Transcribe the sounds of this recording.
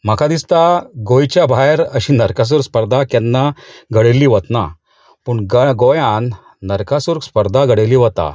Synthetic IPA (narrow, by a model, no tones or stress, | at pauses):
m̤əkad̪ist̪aɡojt͡ɕjabʱajɾəɕiːnəɾkas̬uɾkspəɾd̪ʱakɛnːaɡʱəɽelːiːʋət̪na | puɳɡɡojãnː | əɾkasuɾkspəɾd̪ʱaɡʱəɽeliːʋət̪a̰